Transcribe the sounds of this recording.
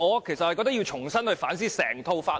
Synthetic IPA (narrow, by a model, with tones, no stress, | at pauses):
ɔː˨˧kʰe˨˩sɐt̚hɐ˨jkɔː˧k̚t̪̚ji˧wt͡ʃʰʊ˨˩ŋsɐ˥nhɵ˧ɥfa̰ː˨˥nsiː˥sɛ̰ː˨˩ŋt̪ʰo˧wfaː˥